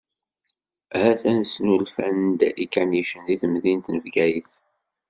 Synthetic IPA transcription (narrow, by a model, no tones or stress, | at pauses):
hæθænsnulfænd̪ikːæniʃənðiθəmðint̪nəvɡæjəθ